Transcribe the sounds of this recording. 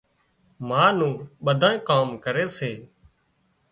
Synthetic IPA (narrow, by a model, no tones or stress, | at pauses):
mãːnũːɓəd̪ʱãːẽːkaːmkəɾeːseː